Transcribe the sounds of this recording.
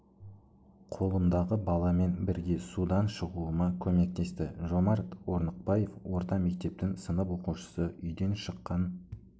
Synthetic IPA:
qʰo̞lˠəmd̪ɑʁəbɑlˠɑme̞nbɪɾɡʲe̞sud̪ɑnʃəʁuəmɑkʲʰɵme̞k̚t̪e̞st̪ɪʒo̞mɑɾt̪wo̞ɾnəq̚bɑje̞fwo̞ɾt̪ɑme̞k̚t̪e̞p̚t̪ɪŋsənəpwo̞quʃə̥səʏjd̪e̞nʃəqːɑn

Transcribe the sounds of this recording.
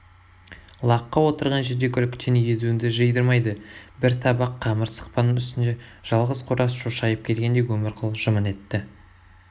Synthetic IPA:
lˠɑqːɑwo̞t̪əɾʁɑnʒe̞ɾd̪e̞kʲʰʏlkʲt̪ʰeneje̞zuɪnd̪ɪʒəjd̪əɾmɑjd̪əbɪɾt̪ʰɑbɑqʰːɑməɾsə̥q̚pɑnəŋʏst̪ɪnd̪e̞ʒ̥ɑlˠʁəzqʰʊɾʔɑsʒuʃɑjəp̚kʲʰe̞lɡʲe̞nd̪e̞wɵmɪɾqʰʊlˠʒəməne̞t̪ːɪ

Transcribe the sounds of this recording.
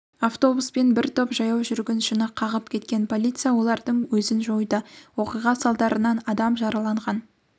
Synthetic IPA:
aft̪o̞buspe̞nbɪɾt̪ʰopʒɑjɑwʒʏɾɡʲenʃɪnəqʰɑʁəpkʲʰe̞t̪kʲe̞npʰo̞lʲit̪sɨjawo̞lˠɑɾd̪əɴwɵzɪnʒo̞jd̪əwo̞qijʁɑsɑlˠd̪ɑɾənɑnɑd̪ɑmʒɑɾɑlˠɑɴʁɑn

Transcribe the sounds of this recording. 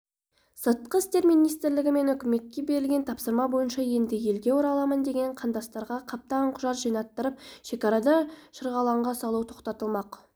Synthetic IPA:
sət̪̚qəɪst̪e̞ɾmijnijst̪ɪɾlɪɡʲɪme̞nʏkʲɪme̞t̪̚ʲkʲːe̞be̞ɾɪlɡʲe̞nt̪ʰɑpsəɾmɑbo̞jənʃɑje̞nd̪ɪje̞lɡʲe̞woɾɑlˠɑmənd̪e̞ɡʲe̞ɴqʰɑnd̪ɑst̪ɑɾʁɑqʰɑp̚t̪ɑɴqʰʊʒɑt̪ʒijnɑt̪ːəɾəpʃe̞kʲɑɾɑd̪ɑʃəɾʁɑlˠɑɴʁɑsɑlˠuwt̪ʰo̞qt̪ɑt̪əlˠmɑq

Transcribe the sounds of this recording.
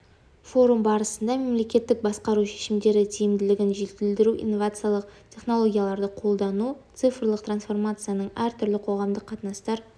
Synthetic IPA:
fo̞ɾumbɑɾəsənd̪ɑme̞mle̞kʲe̞t̪ːɪk̚bɑsqɑɾuʃe̞̥ʃɪmd̪e̞ɾɪt̪ʰijɪmd̪ɪlɪɡʲɪnʒet̪ɪld̪ɪɾuʔḭjnːo̞vat̪sɨjalˠəqtʲʰe̞χno̞lˠo̞ɡʲijalˠɑɾd̪əqʰo̞lˠd̪ɑnut̪sɨfəɾlˠəq̚t̪ransfo̞rmat̪sɨjanəɴæɾt̪ʰʏɾlɪqʰo̞ʁɑmd̪əqʰːɑt̪nɑst̪ɑɾ

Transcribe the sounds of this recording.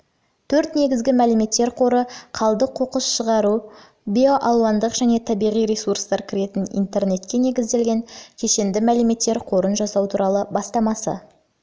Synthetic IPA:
t̪ʰɵɾt̪ne̞ɡʲɪzɡʲɪmælɪme̞t̪ːe̞ɾqʰo̞ɾəqʰɑlˠd̪əqʰo̞qəsʃəʁɑɾu | bijo̞ʔɑlˠwɑnd̪əqʒ̥æne̞t̪ʰɑbijʁijɾesurst̪ɑɾkʲʰɪɾe̞t̪ɪnḭnt̪e̞ɾne̞t̪kʲe̞ne̞ɡʲɪzd̪e̞lɡʲe̞ŋkʲʰe̞ʃe̞nd̪ɪmælɪme̞t̪ːe̞ɾqʰo̞ɾənʒɑsɑwt̪ʰuɾʔɑlˠəbɑst̪ɑmɑsə̰

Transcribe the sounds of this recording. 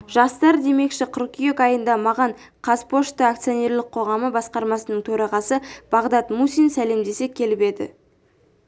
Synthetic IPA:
ʒ̥ɑst̪ɑɾd̪e̞me̞kʃɪqʰʊrkʲijekɑjənd̪ɑmɑʁɑɴ | qʰɑzpʰo̞ʃt̪əakt̪sɨjo̞ne̞ɾlɪq̚qʰo̞ʁɑməbɑsqɑɾmɑsənəɴt̪ʰɵɾɑʁɑsəb̥ɑʁd̪ɑt̪musijnsæle̞md̪e̞se̞kʲʰe̞lɪpe̞d̪ɪ̰

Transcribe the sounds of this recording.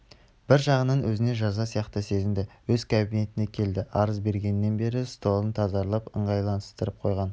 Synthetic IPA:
b̥ɪɾʒɑʁənɑnwɵzɪne̞ʒɑzɑsijɑqt̪əse̞zɪmd̪ɪwɵzkʰabine̞t̪ɪne̞kʲʰe̞ld̪ɪʔɑɾəzbe̞ɾɡʲe̞nːe̞nbe̞ɾɪst̪o̞lˠənt̪ʰɑzɑɾlˠɑpəɴʁɑjlˠɑnəst̪əɾəp̚qʰo̞̰jʁɑn

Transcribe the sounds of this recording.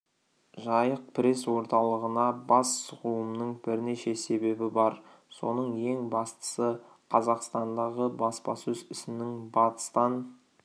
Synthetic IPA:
ʒɑjəq̚pʰɪɾe̞swo̞ɾt̪ɑlˠəʁənɑbɑsːʊʁuwəmnəɴbɪɾneʃe̞se̞be̞bɪbɑɾ | so̞nəɴje̞ŋbɑst̪ə̥sə | qʰɑzɑqst̪ɑnd̪ɑʁəbɑspɑsɵzɪsɪnɪŋbɑt̪ə̥st̪ɑn

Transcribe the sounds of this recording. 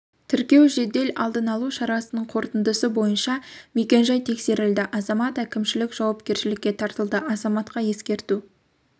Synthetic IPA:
t̪ʰɪɾkʲe̞wʒe̞d̪e̞lʔɑ̰lˠd̪ənɑlˠuʃɑɾɑsənəɴqʰo̞ɾt̪ənd̪əsəbo̞jənʃɑme̞kʲe̞nʒɑjt̪ʰe̞kse̞ɾɪld̪ɪʔɑzɑmɑt̪ækʲɪmʃɪlɪkʒ̥ɑwɑpkʲe̞ɾʃɪlɪkʲːe̞t̪ʰɑɾt̪əlˠd̪əʔɑzɑmɑt̪qɑje̞skʲe̞ɾt̪u

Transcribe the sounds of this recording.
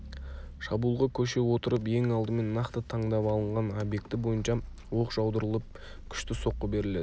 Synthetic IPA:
ʃɑbuːlˠʁɑkʲʰɵʃe̞wo̞t̪əɾəpe̞ŋɑlˠd̪əme̞nːɑqt̪ət̪ʰɑɴd̪ɑpɑlˠəɴʁɑnobje̞k̚t̪ɪbo̞jənʃɑ | wo̞qʒ̥ɑwd̪əɾəlˠəp̚ | kʲʰʏ̥ʃt̪ɪso̞qːəbe̞ɾɪle̞d̪ɪ

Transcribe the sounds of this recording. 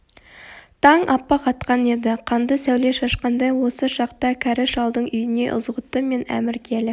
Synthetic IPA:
t̪ʰɑɴʔɑpːɑqʰɑt̪qɑne̞d̪ɪqʰɑnd̪əsæwle̞ʃɑʃqɑnd̪ɑjwo̞səʃɑqt̪ɑkʲʰæɾɪʃɑlˠd̪əɴʏjɪne̞̰ʔʊ̰zʁət̪ːəme̞næ̰mɪɾkʲʰelɪ

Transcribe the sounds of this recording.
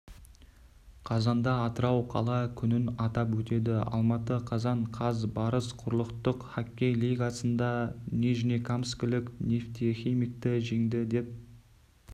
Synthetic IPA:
qʰɑzɑnd̪ɑːt̪əɾɑwqʰɑ̰lˠɑkʲʰʏnɪnɑt̪ɑpwɵt̪e̞d̪ɪɑ̰lˠmɑt̪əqʰɑzɑɴqʰɑzbɑɾəsqʰʊɾəlˠəqt̪əqχakʲːejliɡasənd̪ɑneʒinekʰamskʲɪlɪknʲeft̪ioχʲijmɪk̚t̪ɪʒeŋd̪ɪd̪e̞p̚

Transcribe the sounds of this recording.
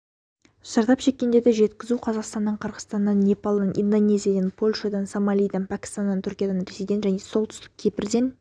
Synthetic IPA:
sɑɾt̪ɑpʃe̞kʲːe̞nd̪e̞d̪ɪʒe̞t̪kʲɪzuqʰɑzɑqst̪ɑnːəɴqʰəɾʁət̪ɑnːɑnːe̞pɑlˠd̪ɑnʔḭnd̪onʲe̞zʲijad̪enpʰo̞lʲʃad̪ɑnsomalʲijd̪ɑnpʰækʲɪ̥st̪and̪ɑnt̪ʰʏɾkʲijad̪ɑnɾesejd̪enʒæne̞so̞lˠt̪ʰʏ̥st̪ɪ̥k̚ʲʰe̞pɪɾd̪e̞n

